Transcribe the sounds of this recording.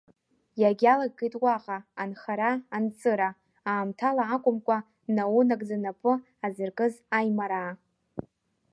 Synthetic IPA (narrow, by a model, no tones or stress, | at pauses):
jaɡʲalaɡ̚ːejtʼwaqʼaːnχaɾaant͡sʰʼɨɾa | aːmtʰalaːkʷʼʊmkʷʼa | nawunakʼd͡zanapʰɨ | azɨrkʼɨzajmaɾaː